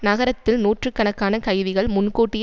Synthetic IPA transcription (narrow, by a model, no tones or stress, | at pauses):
nɐɣɐɾɐt̪ːɪlnuːʈrɯkːɐnɐkːaːnɐkɐɪʋɪɣɐɭmʊnkoːʈːɪj